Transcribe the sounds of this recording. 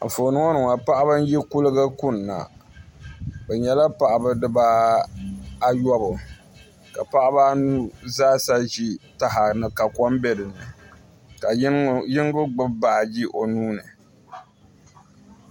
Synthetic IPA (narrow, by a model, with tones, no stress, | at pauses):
foː˨nɨ˦ŋo˦nɨ˨ŋa˨pa˦ʔa˦bɨ˦n̩˦ji˦ku˦lɨ˦ɡa˦kʊ˦nː˨a̰˨ | bɛ˨ɲɛ˦la˦pa˨ʔa˨bɨ˦dɨ˦ba˦ | a˦jɔ˦bʊ˨ | ka˨pa˦ʔa˦ba˦nu˦zaː˦sa˦ʒi˦ta˨ɦa˨nɨ˨ka˨kɔ˦mbɛ˦dɨ˨nɨ˨ | ka˨˦jɪ˦ŋ˦ɡʊ˦ɡ͡bɨ˦bbaː˨d͡ʒi˦ʔo˨nuː˦nɨ˨